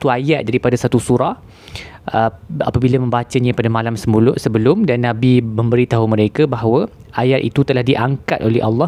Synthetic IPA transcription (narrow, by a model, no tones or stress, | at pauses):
t̪uajat̪̚daɾipadasat̪usuɾah | əa̰pabilamə̃mbat͡ʃaɲãpadamãlamsəmulʊʔsəbəlʊmdanːãbimə̃mbəɾit̪aɦumə̃ɾekabaɦwə | ajat̪ḭt̪ut̪əlahdiʔaŋkat̪ʔolɛhɑlːɑ